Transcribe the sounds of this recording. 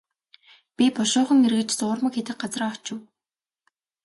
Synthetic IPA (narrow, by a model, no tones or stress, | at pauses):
pʲipɔʃʊːχə̆ŋerɣɘ̆t͡ɕt͡sʊːrmə̆kxet̪ɘ̆k̚ɢat͡sraːɔt͡ɕʊ̆w